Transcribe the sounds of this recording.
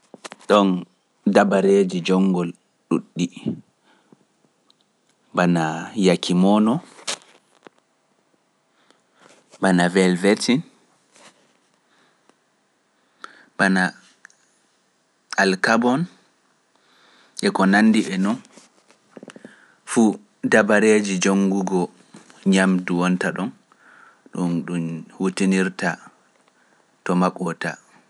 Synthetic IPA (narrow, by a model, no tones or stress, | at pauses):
ɗɔn | dabaɾeːd͡ʒid͡ʒɔŋɡɔl | ɗṵɗːi | banajakʰimɔːnɔ | banavɛlvɛtin | bana | alkabɔn | ʔɛkɔnanːdiʔɛnɔn | fu | dabaɾed͡ʒid͡ʒoŋɡuɡɔ | ɲamduwɔntaɗɔn | ɗunɗunhutiniɾta | tɔmakʼɔta̰